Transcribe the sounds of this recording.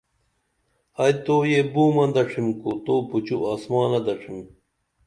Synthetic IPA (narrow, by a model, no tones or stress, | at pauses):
ɐjt̪oːjebuːmɐnd̪ɐʈ͡ʂʰimkut̪oːput͡ɕuʔaːsmaːnɐd̪ɐʈ͡ʂʰim